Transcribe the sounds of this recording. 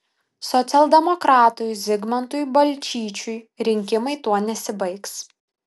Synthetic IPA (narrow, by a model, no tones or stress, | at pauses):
sɔt̪sʲɛlˠd̪ʲɛmɔkɾɑːt̪ʊjzʲɪɡmɐnt̪ʊjbɐlʲt͡ʃʲiːt͡ʃʲʊj | ɾʲɪŋʲkʲɪmɐɪt̪uɔnʲɛsʲɪbɐɪks